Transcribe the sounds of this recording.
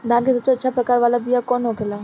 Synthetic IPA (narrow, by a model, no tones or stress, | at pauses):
d̪ʱaːnkesɐbseɐtːʃʰapɾɐkaːɾʋaːlabijakɔːnɦokelaː